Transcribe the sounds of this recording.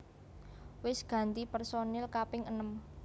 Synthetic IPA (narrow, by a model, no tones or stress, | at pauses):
wɪsɡ̥ä̤nt̪ipɛrsonɛlkapɪŋənəm